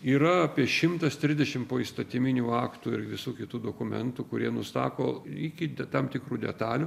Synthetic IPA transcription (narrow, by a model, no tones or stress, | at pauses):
iːɾɐɐpʲiɛʃʲɪmt̪ɐst̪ʲɾʲɪzdʲɛʃʲɪmpoːiːst̪ɐt̪ʲɪmʲɪnʲuːɑːkt̪uːɪɾʋʲɪsuːkʲɪt̪uːd̪oːkʊmʲɛ̰nt̪uːkʊɾʲiɛnʊst̪ɑ̰ːkoːɪkʲɪd̪ʲɛt̪ɐmt̪ʲɪkɾuːd̪ʲɛ̰t̪ɑːlʲʊ